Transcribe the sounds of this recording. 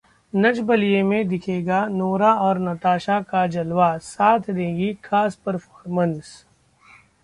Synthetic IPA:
nɐd͡ʒbɐlijemẽd̪ɪkʰeːɡanoːɾaɔːɾnɐt̪aːʃakad͡ʒɐlwasaːt̪ʰd̪ẽːɡikʰaːspɐɾfɔːɾmə̃ns

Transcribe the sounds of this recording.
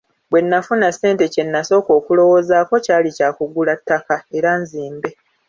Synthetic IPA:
bwe̞nːafunasːe̞ːnte̞ce̞nːaso̞ːko̞ːkulo̞wo̞ːzaːko̞caːlicaːkuɡulatːakae̞ɾanziːmbe̞

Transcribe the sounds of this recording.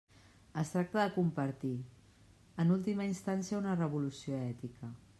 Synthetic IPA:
əst̪ɾak̚t̪əðəkumpəɾt̪i | ənulˠt̪iməinst̪ansiəunərəβulusioɛt̪ikə

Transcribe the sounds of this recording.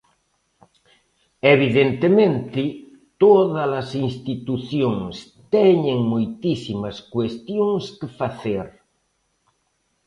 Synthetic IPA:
eβ̞iðent̪emẽnt̪ɪ | t̪oðalasinst̪it̪uθjoŋs | t̪ɛɲẽŋmujt̪isimaskwest̪joŋskefaθeɾ

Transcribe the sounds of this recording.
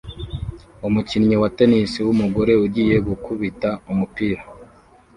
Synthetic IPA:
umucinɲiwate̞nisiwumuɡo̞ɾe̞uɾɟiːje̞ɡukuβitaumupiːɾa

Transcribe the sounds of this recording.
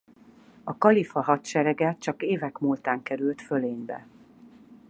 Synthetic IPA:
ɒkɒlifɒɦɒt̪ʃɛɾɛɡɛt͡ʃɒkeːvɛkmuːlt̪aːŋkɛɾylt̪føleːɲbɛ̰

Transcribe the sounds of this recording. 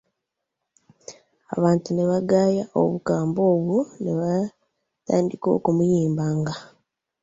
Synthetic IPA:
a̰βaːntuneβaɡaːjaʔo̞̰βukaːmbo̞ːβuneβa | taːndiko̞̰ːkumujiːmbaŋɡa

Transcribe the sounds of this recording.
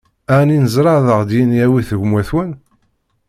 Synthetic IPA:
æninəzɾˤɑðəʁd̪jinjæwiθəʝmwæθwən

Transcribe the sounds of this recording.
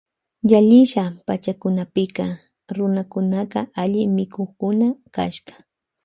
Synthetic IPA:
jaʎɪʃapat͡ʃakʊnapɪkɑ | ɾʊnakʊnaqɑʔaʎɪmɪkoχkʊnaka̰ʃɢɑ̥

